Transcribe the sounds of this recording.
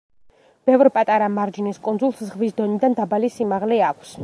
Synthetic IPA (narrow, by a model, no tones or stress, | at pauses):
b̥ɛvɾpʼat̪ʼaɾamaɾd͡ʒiniskʼund̪zulˠszʁvisd̪ɔnid̪and̪abalisimaʁlɛakʷʰs